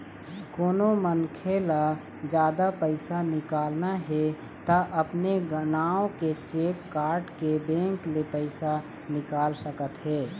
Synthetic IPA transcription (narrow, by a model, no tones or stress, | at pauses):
koːnomənkʰeːla | d͡ʒjaːd̪apəɪsanɪkaːlnaɦɛ | t̪aʔəpneɡənaːõket͡ʃeːkːaːɾʈkebẽːŋklepəɪsa | nɪkaːlsəkət̪ɦɛː